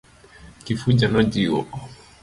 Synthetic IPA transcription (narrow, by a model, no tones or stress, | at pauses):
kifud͡ʒanɔd͡ʒiwɔ̰